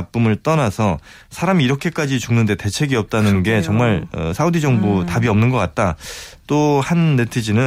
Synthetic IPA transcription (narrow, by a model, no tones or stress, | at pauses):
p̚p͈umɯɭt͈ʌnasʰʌ | sʰaɾamiːɾʌkʰe̞k͈ad͡ʑit͡ɕuŋnɯnde̞te̞t͡ɕʰe̞ɡiʌp̚t͈anɯnɡe̞t͡ɕʌŋmaɭʌ̰sʰaudid͡ʑʌŋbutabiʌmnɯnɡʌk͈at̚t͈at͈ohanːe̞tʰɯd͡ʑinɯ